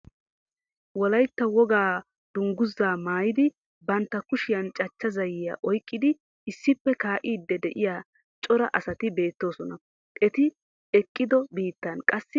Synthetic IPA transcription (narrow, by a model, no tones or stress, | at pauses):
wɔlɐjt̪ːɐwɔɡaː | d̪̥ʊŋɡʊzːaːmaːjɪd̪ɪ | bɐnt̪ːɐkʊʃɪjɐnt͡ʃʼɐt͡ʃːɐzɐjɪja̰ʔɔjkʼːɪd̪ɪ | ɪsːɪpːɛkaːʔiːd̪ːɛd̪ɛʔɪjaː | t͡ʃʼɔɾɐ̰ʔɐsɐt̪ɪbe̞ːt̪ːo̞ːsɔnɐ | ʔɛt̪ɪ | ɛkʼːɪd̪ɔbiːt̪ːɐnkʼɐsːɪ